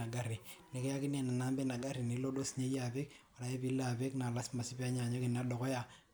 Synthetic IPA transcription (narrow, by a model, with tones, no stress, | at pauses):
a˨ɡa˦ɾɪ˨le˨kɛ˦ja˦kɪ˦nɛ˨na˨na˦mbɛ˦na˨ɡa˦ɾi˨ni˨˦lo˦do˦sɲe˦ja˨pɪ˦k | wa˨ɾa˨e˦pi˦la˨pe˦kna˨la˦sma˨sɪ˦pi˦a˦ɲa˨ɲo˦kɪ˨na˦dɔ˨kɔ˦ja˨